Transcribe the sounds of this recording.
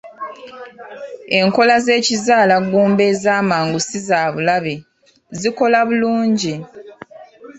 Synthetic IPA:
e̞ŋko̞laze̞ːcizaːlaɡuːmbe̞zaːmaːŋɡusizaːβulaβe | ziko̞laβuluːɲɟi

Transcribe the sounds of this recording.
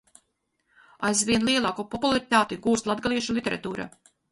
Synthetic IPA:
a̰jzvʲiɛnlˠiɛlˠaːkupɔpulˠaɾit̪aːt̪iɡuːst̪lˠad̪ɡalˠiɛʃulˠit̪eɾa̰t̪uːɾa̰

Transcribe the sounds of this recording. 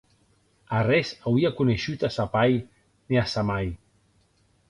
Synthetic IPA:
arɛzawiakuneʃut̪asapaj | niasamaj

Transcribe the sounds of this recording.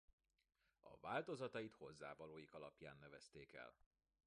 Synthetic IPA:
ɒ̰vaːlt̪o̞zɒt̪ɒjit̪ho̞zːaːvɒloːjikɒlɒpja̰ːnːɛvɛst̪eːkɛ̰l

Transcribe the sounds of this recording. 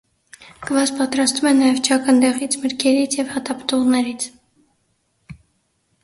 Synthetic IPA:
ɡ̥əvɑzpɑt̪ɾɑst̪umɛnɑjɛvt͡ʃʰɑkənd̪ɛʁit͡sʰməɾkʰɛɾit͡sʰjɛvhɑt̪ɑpə̥t̪uʁnɛɾit͡sʰ

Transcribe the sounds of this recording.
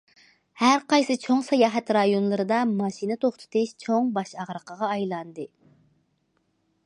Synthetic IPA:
hæɾqɑjsɨt͡ʃʰoŋsɑjɑːɦɛt̪ɾɑjonlˠɨɾɨd̪ɑmɑʃinɨt̪ʰoχt̪ʰɨ̥t̪ʰɨʃt͡ʃʰoŋbɑʃɑʁɾəqʰəʁɑːjlˠɑnd̪ɨ

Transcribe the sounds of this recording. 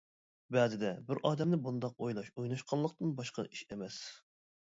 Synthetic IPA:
bɛzɪd̪ɛbɪɾʔɑːd̪ɛmnɪbund̪ɑq̚ojlˠɑʃojnɑʃqʰɑlˠːəq̚t̪ɨnbɑʃqɑ̰ʔiʃemɛs

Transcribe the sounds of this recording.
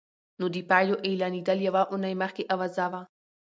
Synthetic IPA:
nod̪ipaloʔilanid̪aljaʋaʔʊnajmaxkeʔaʋazaʋa

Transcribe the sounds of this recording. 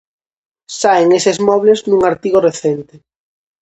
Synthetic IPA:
saeŋesezmɔβleznũŋaɾt̪iɣoreθent̪e

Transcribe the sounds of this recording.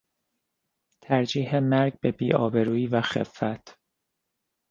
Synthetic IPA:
t̪ʰæɾd͡ʒiːɦemæɾɟ̚be̞biːʔɒːbe̞ɾuːiːvæxḛfːæt̪ʰ

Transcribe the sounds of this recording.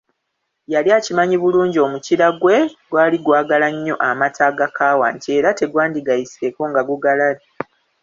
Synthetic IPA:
jaliaːcimaɲiβuluːɲɟio̞ːmuciɾaɡwe̞ɡwaːliɡwaːɡalaɲːo̞ʔamatʰaːɡakaːwa̰ːɲcie̞ːɾate̞ɡwaːndiɡajiseːko̞ŋɡaɡuɡalala

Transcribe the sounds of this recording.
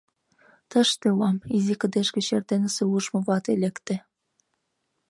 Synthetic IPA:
t̪ə̆ʃt̪euɑmizikə̆d̪eʃkĕɕert̪enəseuʒmoβɑt̪elekt̪ĕ

